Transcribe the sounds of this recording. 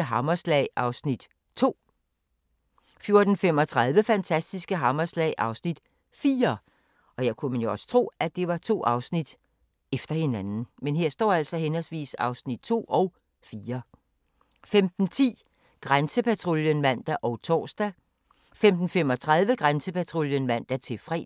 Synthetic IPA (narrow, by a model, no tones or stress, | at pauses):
əɦɑ̈mɐslɛ̰ɪɑ̈ʊsnid̥ | t͡sʰo̝̰ː | fjo̝ɐd̥n̩femɒ̽t͡sʰʁɑ̈ð̞ˠʋəfænt͡sʰæsd̥isɡ̥əɦɑ̈mɐslɛ̰ɪʔɑ̈ʊsnid̥ | fiːɐ | ʔɒ̽jɑ̈ɪkʰumenjo̝ɒ̽sə̥t͡sʰʁo̝̰ːæd̥e̝ʋɑ̈t͡sʰo̝̰ːʔɑ̈ʊsnid̥ | efd̥ɐhe̝nænn̩menɦe̝ɐ̰sd̥ɒ̰ːæl̰sɒ̽ɦenɒsʋḭːsɑ̈ʊsnid̥̚t͡sʰo̝̰ːɒʊ | fiːɐ | femd̥n̩t͡sʰḭː | ɡ̥ʁansəpʰæt͡sʰʁo̝ljənmæn̰d̥æʔɒʊt͡sʰɒ̰ːsd̥æ | femd̥n̩femɒ̽t͡sʰʁɑ̈ð̞ˠʋəɡ̥ʁansəpʰæt͡sʰʁo̝ljənmæn̰d̥æt͡sʰe̝fʁɛ̰